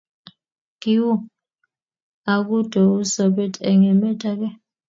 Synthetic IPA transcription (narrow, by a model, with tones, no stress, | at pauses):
ŋ̥i˦wu˦ | a˨k̬u˦d̥ʱɔ˨u˦sɔ˨ɓɛ˦tʰʼɛ˨ŋɛ˨mɛ˦tʰʼa˦k̬ɛ˦